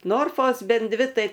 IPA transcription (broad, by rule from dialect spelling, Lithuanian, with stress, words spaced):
ˈnoːrfoːs ˈbʲɛn ˈdʲʋʲɪ ˈtɐɪ